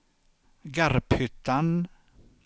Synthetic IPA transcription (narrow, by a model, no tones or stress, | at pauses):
ɡaɾphʏt̪ːan